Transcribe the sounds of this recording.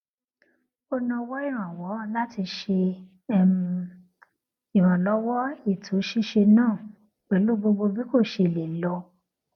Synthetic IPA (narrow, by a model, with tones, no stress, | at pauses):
o˧nã˧wɔ˦i˦˨ɾ̃ã˨wɔ˨˦la˦ti˧ʃe˧˦ | m˧ | i˨ɾ̃ã˨lɔ˦wɔ˦i˦˨tʰo˨˦ʃi˦ʃe˧nãː˦˨ | k͡pɛ˨˦lo˦bo˧ɡ͡bo˧bi˦ko˦˨ʃe˧˨le˨lɔ˧